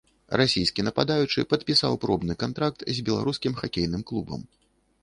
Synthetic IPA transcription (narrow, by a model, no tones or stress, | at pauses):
rasʲijskʲinɐpad̪ajut͡ʂɨ̰pɐt̪pʲisa̰wpɾɔbnɨkant̪ɾak̚t̪zʲbʲɛlˠa̰ɾuskʲimxakʲejnɨmklˠubɐ̰m